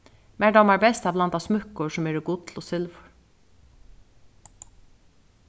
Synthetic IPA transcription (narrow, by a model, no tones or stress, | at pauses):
mæːɖɑmæːɾbɛst̪ɑːblɑnt̪ɑːsmʉkːɔʂɔmeːɾɪɡuːt̪ʰl̩ɔːsʏlʋɔɹ